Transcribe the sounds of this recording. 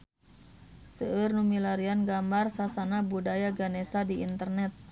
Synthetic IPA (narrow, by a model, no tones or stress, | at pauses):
səʔərnumilaɾianɡambarsasanabudajaɡanesadiint̪ərnɛt̪̚